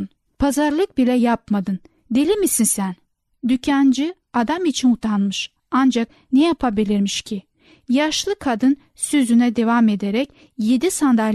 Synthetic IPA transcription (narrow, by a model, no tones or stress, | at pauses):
n | pʰazaɾlˠɯk̚bilʲɛjap̚mad̪ɯn | d̪elʲimisinsæn | d̪ycʰænd͡ʒy | ad̪amit͡ʃʰinut̪ʰanmɯʃ | and͡ʒak | nejapʰabilʲiɾmiʃcʰi | jaʃlˠɯkʰad̪ɯn | søzynɛd̪e̞vame̞d̪eɾɛc | je̞d̪isand̪a